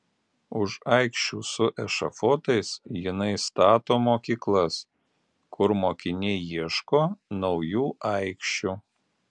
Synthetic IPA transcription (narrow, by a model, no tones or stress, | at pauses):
ʊʃɑˑɪkʃʲt͡ʃʲuːsʊʔɛʃɐfoːt̪ɐɪsjɪnɐɪst̪ɑːt̪oːmoːkʲiːklˠɐs | kʰʊɾmoːkʲɪnʲɛjiɛʃkoːnɒʊjuːʔɑɪkʃʲt͡ʃʲu